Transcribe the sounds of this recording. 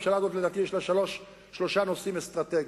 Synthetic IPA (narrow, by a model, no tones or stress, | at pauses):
mʃalazo̞t̪ledaːt̪ijeʃlaʃaloʃ | ʃlo̞ʃano̞simest̪ʁat̪eɡ